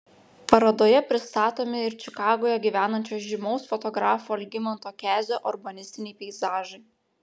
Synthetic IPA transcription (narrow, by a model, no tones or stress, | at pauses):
pɐɾɐd̪oːjɛpʲɾʲɪst̪ɑːt̪oːmʲɪɪɾt͡ʃʲɪkɑːɡoːjɛɡʲiʋʲæːnɐnʲt͡ʃʲoːsʒʲɪmɔʊsfɔt̪ɔɡɾɑːfoɐlʲɡʲɪmʲɐnt̪oːkʲæːzʲoːʔɔɾbɐnʲɪsʲt̪ʲɪnʲɛɪpʲɛɪzɑːʒɐɪ